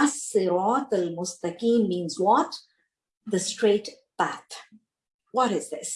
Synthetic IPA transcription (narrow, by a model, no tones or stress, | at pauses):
asːɨɾɑːt̪almʊst̪akiːnmĩːnzwɔt̪ | ðəstɹ̥eɪt | b̥æθ | wʌɾɪzðɪs